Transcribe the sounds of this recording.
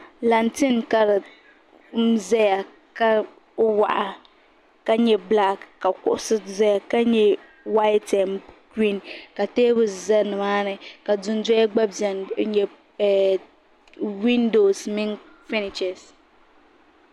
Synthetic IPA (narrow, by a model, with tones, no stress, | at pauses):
la˨ntɪ˦nka˦ɾɨ˨ | zɛ˦ja˨ | ka˦ | wa̰˨ʔa˨ | ka˦ɲɛ˦bla˦kːa˨kʊ̰˨ʔʊ˦sɨ˦zɛ˦ja˨ka˦ɲɛ˦ | wa˦jta˨mki˦˨nka˨teː˦bʊ˨sza˦nɨ˨maː˦nɨ˨ka˨dʊ˨n˦dɔ˦a˦ɡ͡ba˦bza˨n˨ɲɛ˨ | wi˦ndo˨smɪ˦n | fɪ˦nɪ˨t͡ʃɛ˨s